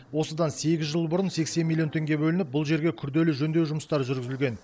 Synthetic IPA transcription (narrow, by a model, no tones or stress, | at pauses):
wo̞səd̪ɑnse̞ɡʲɪzʒəlˠbʊɾənse̞kse̞nmʲilʲˠijont̪ʰe̞ŋɡʲe̞bɵlɪnɪp̚bʊlˠʒe̞ɾɡʲe̞kʲʰʏɾd̪e̞lɪʒɵnd̪ewʒʊməst̪ɑɾəʒʏɾɡʲɪzɪlɡʲe̞n